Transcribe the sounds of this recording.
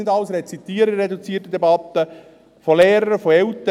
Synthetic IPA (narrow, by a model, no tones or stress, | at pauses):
nɪdɑlsɾɛt͡sit̪iːəɾəɾɛd̪ut͡siətəd̪ɛbɑt̪ːə | folɛːɾəɾfoɛlt̪